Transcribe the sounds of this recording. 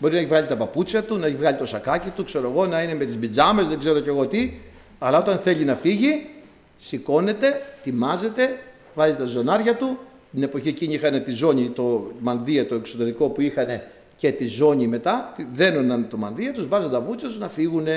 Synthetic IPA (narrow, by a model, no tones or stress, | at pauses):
bo̞ɾinɐeçivɣɐʎit̪ɐpɐput͡sçɐt̪unɐeçivɣɐʎit̪o̞sɐkɐcit̪ukse̞ɾo̞eɣo̞nɐine̞me̞t̪izbid͡zɐme̞zðeɡze̞ɾo̞ce̞ɣo̞t̪i | ɐlɐo̞t̪ɐnθe̞ʎinɐfiʝi | siko̞ne̞t̪e̞t̪imɐze̞t̪e̞ | vɐzit̪ɐzo̞nɐɾʝɐt̪u | t̪ine̞po̞çieciɲiixɐne̞t̪izo̞ɲit̪o̞mɐnðiɐt̪o̞ekso̞t̪e̞ɾiko̞puixɐne̞ | ce̞t̪izo̞ɲime̞t̪ɐt̪iðe̞nonɐnt̪o̞mɐnðiɐt̪uzvɐzeɐpɐput͡sçɐt̪uznɐfiɣune̞